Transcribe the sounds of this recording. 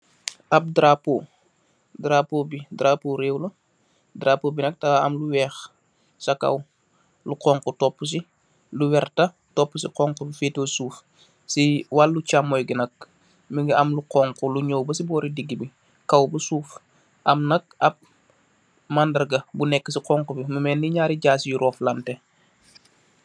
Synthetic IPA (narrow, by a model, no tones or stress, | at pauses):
ɐp̚dɾapoː | dɾapobidɾapoɾeːwlɐ | dɾapobinɐk̚taɐ̰mluwɛːx | sɐkɐ̰w | luqɔːŋkutɔpːus̬i | luwɛrtɐ | tɔpːusiqɔŋkubifeːtwɐsuːf | siwalːut͡ʃamːɔjɡinɐk̚ | miŋɡiɐmluqɔŋkuluɲoːwbəsibɔːɾidiɡːibi | kɐwbusuːf | ʔɐmnɐk̚ɐp̚ | mandɐrɡɐbunɛkːəsiqɔŋkubiməmɛːnːiɲaːɾiɟaːsjuɾɔːflɐntɛ